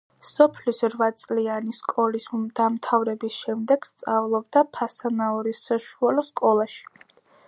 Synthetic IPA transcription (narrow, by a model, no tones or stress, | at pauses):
sɔpʰlisɾvat̪sʼlianiskʼɔlisd̪̥amt̪ʰavɾɛbisʃɛmd̪ɛɡ̥st̪sʼavlˠɔbd̪apʰasanaɔɾisaʃualɔskʼɔlˠaʃi̥